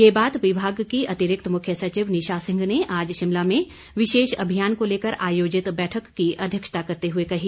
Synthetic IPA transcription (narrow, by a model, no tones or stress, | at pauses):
jeːbaːt̪ʋɪbʱaːɡkiɐt̪ɪɾɪk̚t̪mʊkʰjəsɐt͡ʃiʋnɪʃaːsɪ̃ŋɡneʔaːd͡ʒʃɪmlamẽ | ʋɪʃeːʃɐ̰bʱijaːnkoleːkəɾaːjoːd͡ʒɪt̪bɛːʈʰəkːiʔɐd̪ʱjəkʃə̥t̪akɐɾt̪eɦʊekɐɦi